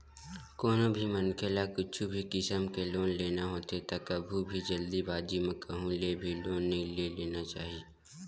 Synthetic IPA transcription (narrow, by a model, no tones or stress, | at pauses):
koːnobʱimənkʰəlakʊt͡ʃʰubʱikɪsəmkeloːnleːnaɦoːt̪et̪əkɐbʱubʱid͡ʒəld̪ibaːd͡ʒimẽkɐɦũleːbʱiloːnːeleleːnat͡ʃa̰ːɦie